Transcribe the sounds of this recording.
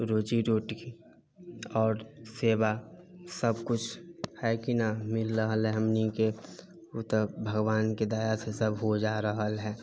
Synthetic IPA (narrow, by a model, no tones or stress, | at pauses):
ɾoːt͡ʃiɾoːʈki | ɔːɾseːwasəbkʊt͡ʃʰhɛːkinamɪlɾəɦəlɛɦəmnike | t̪əbʱəɡwaːnked̪aːjasesəbʱɦod͡ʒaːɾəɦəlɦɛː